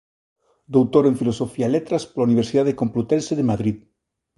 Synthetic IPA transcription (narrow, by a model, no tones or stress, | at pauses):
d̪owt̪oɾeɱfilosofialet̪ɾaspolauniβeɾsiðaðekomplut̪enseðemaðɾið